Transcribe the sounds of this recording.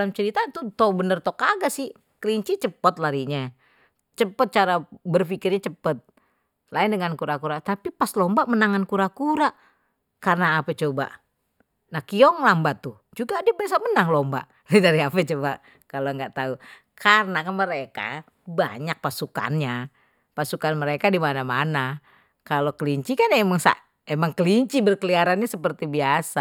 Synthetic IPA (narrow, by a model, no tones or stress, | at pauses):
lamt͡ʃəɾit̪at̪ut̪obənərt̪okaɡasɪh | kliɲt͡ʃit͡ʃəpət̪̚laɾiɲa | t͡ʃəpət̪̚t͡ʃaɾabərfikɪrɲat͡ʃəpət̪̚ | laɪndəŋankuɾakuɾat̪apipaslombaʔmənaŋankuɾakuɾaʔ | karnaːpɛt͡ʃoba̰ʔ | nahkiɔŋlambat̪u | d͡ʒuɡaːdabas̬amənaŋlɔmba̰ʔ | ɛdaɾiapɛt͡ʃobaʔ | kaloŋɡaʔt̪au | kʰarnakanməɾeka̰ | ba̰ɲak̚pasuka̰nɲa | pasukanməɾekadimanamana | kalokəliɲt͡ʃikanjaemaŋsa̰ʔ | emaŋkəliɲt͡ʃibərkəliaɾanɲasəpərt̪ibiasa